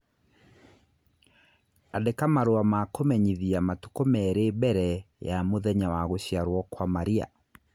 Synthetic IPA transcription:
adekamaɾoamakomɛɲiðiamatu̥komɛɾebɛɾɛjamoðɛɲawaɣoɕjaɾwɔkwamaɾia̰

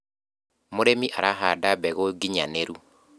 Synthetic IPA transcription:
moɾemiʔaɾaɦadabɛɣoɡiɲaneɾu

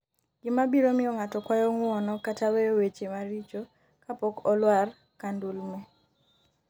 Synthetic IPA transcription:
ɡ̥ɪmabiɾomɪɔŋatɔkwajɔŋwɔnɔkataweowet͡ʃemaɾit͡ʃo | kapɔkɔlwar | kandulmɛ

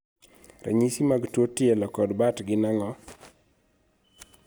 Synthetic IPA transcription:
ɾa̰ɲisimaɡtwotɪɛlɔkɔdbatɡɪnaŋɔ

